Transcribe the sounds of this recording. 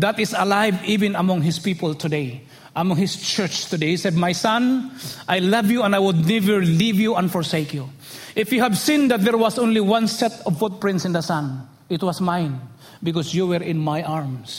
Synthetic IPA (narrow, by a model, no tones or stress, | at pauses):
d̪at̪ɪsɐlajvivɪ̃nɐmɔ̃ŋɦɪspipəlt̪ʰʊd̪eɪ | ʔɐmɔ̃ŋhɪst͡ʃɛɹt͡ʃt̪ʊd̪ejhisɛd̪̚majsãnʔajlʌvjuɛ̃ndajwʊd̪̚nɛvɛɹlivjuɛ̃nfɔɹseɪkju | ʔɪfjuhævsĩnd̪at̪̚d̪ɛɹwasʔõʊ̃nliwãnsɛt̪ɔvfʊt̪̚pɹɪ̃nt̪sɪ̃nd̪əsãn | ɪt̪̚wʌsmãɪn | bɪkɔsjuwɛɹɪ̃nmajʔaɹms